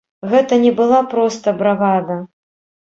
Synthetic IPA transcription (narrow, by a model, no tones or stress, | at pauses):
ɣɛt̪ɐnʲɛbɨlˠapɾɔst̪ɐbɾaɣad̪ɐ